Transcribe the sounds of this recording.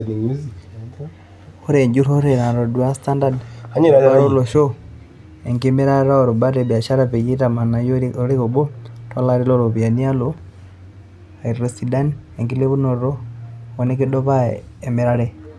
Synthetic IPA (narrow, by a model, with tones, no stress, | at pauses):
o˦ɾe˨ɲd͡ʒu˦ɾo˦ɾe˨na˨ɾo˨du˨a˦sta˦nda˦dɲ˦a˦ɾo˦lo˨ʃo˦ | e˨ŋke˦me˦ɾa˦ɾɾa˦o˨ɾo˨ba˦ɾe˨bi˨a˨ʃa˦ɾa˨pe˨ji˦ta˨ma˨na˨jo˦o˦ɾi˦ɣo˨bo˦ta˦la˦ɾi˦lo˦ɾo˨βi˨a˨ni˦a˦lo˦ | a˨i˨ɾɾo˦si˨da˦nie˨ŋki˦le˦βu˦no˨ɾo˦o˦ne˦ki˦do˦βa˦e˨me˨ɾa˦ɾe˦